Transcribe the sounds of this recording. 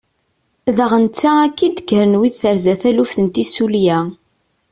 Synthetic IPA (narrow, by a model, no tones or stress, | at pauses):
ðəʁənt͡sːæækːid̪əɡəɾənwiðθəɾzæθælufθənt̪isuljæ